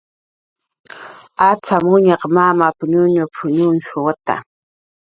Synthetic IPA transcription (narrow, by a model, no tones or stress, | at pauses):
at͡samʊɲɑqmamapʊɲʊɲapʰʊɲʊnʃʊwat̪a̰